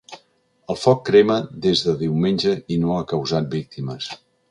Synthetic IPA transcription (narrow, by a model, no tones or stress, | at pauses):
əlˠfɔkːɾeməd̪ezðəðiwmenʲʒəinoəkəwzat̪̚bik̚t̪iməs